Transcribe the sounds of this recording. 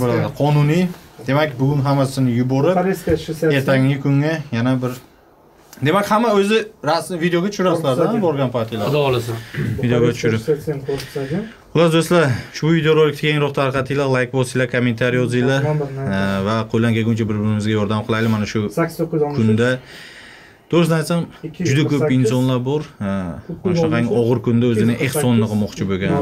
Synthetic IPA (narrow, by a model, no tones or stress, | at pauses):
bolad̪ɪqʰɒnʊnijd̪e̞makʲbʊɡʲʊnɦamːasɪnɪjʊbɒɾɪpɾeskʲaʃe̞ɾt̪ʰaŋɪkʰʊŋːajanabɪɾ | d̪e̞makʲhamːaɵzɪɾasɪvid̪eoɡʲat̪ʰʊ̥ʃʊɾasɪlaɾd̪abɒɾɡʲanpʰaɾt̪ʰijlad̪aɒlˠasvid̪ejoɡʲat̪ʊ̥ʃʊɾɪpnoad̪ | ʊlaɾd̪oslaʃʊbʊvid̪ejoɾolɪkʲt̪ʰakʰʲeŋɾɒqt̪ʰaɾqʰɑt̪ʰilalˠajkbɒsijlakʰome̞nt̪ʰaɾijɒz̬ijla | vaqʰojlaŋkʲaɡʲɵnt͡ʃʰabɪɾbɪɾɪmɪzɡʲajɒɾd̪amqʰɨlˠajd̪ɪmanaʃʊkʰʊnd̪a | d̪̥oɾɪsnɪajt̪samd͡ʒʊd̪akʰɵɪnsɒnlaɾbɒɾmnaʃnaaŋɒʁɨɾkʰʊnd̪aɵzɪnɪʔehsɒnɪɨqʰɨlˠmɒqt͡ʃʰɪboɡʲa̰n